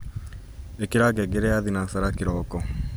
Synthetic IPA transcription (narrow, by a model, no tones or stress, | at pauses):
ekeɾaɡɛɡeɾɛaðinasaɾakeɾɔkɔ